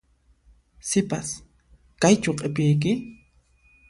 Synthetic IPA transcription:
sɪpa̰s | kajt͡ʃʊqʼepɪjk̬ɪ

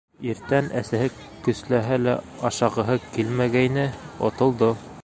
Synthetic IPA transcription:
iɾt̪ænʔæsæhɘ | kːɵ̆slæɦælæ | ɑʃɑʁɤ̆ɦɤkilmæɡæjnɘŏ̰t̪ŏlˠd̪o

